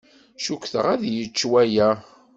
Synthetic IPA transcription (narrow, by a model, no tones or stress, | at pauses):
ʃukʷθə̰ʁæðjət͡ʃːwæjæ